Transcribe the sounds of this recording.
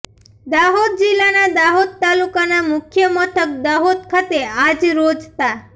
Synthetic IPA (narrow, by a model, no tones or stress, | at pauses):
d̪aɦod̪̚d͡ʒilːanad̪aɦod̪̚t̪alukanamʊkʰjəmɔʈ̪ʰək̚d̪aɦod̪̚kʰat̪ead͡ʒɾod͡ʒt̪a